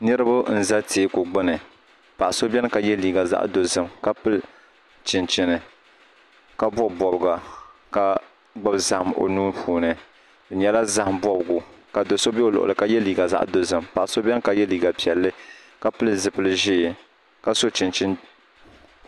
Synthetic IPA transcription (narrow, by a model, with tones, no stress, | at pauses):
nɨ˦ɾɨ˦bʊ˦n̩˨za˦teː˨˦ko˨ɡ͡bɨ˦nɨ˨ | pa˨ʔso˦bʲɛ˦n˦ka˨jɛ˦liː˨ɡa˨za̰˦ʔdo˨zɨ˦˨mka˦pɨ˦l | t͡ʃɪ˨nt͡ʃɪ˨nɨ˨ | ka˦bɔ˦bbɔ˨bɡa˨ka˨ | ɡ͡bɨ˦bza˨hmo̰˨nuː˦pʰuː˨nɨ˨ | ɨ˨ɲɛ˦la˦za˦hmbɔ˦bɡu˨ka˨do˨so˦bɛ˦o˨lʊ̰˨ʔʊ̰˨lɨ˨ka˦jɛ˦liː˨ɡa˨za̰˦ʔdo˨zɨ˨mpa˨ʔso˦bʲɛ˦n˦ka˨jɛ˦liː˨ɡa˨pi˨ɛ˨lːɨ˦ | ka˦pɨ˦lzɨ˨pɨ˦lɨ˦ʒiː˦˨ | ka˦so˦t͡ʃɪ˨nt͡ʃɪ˦n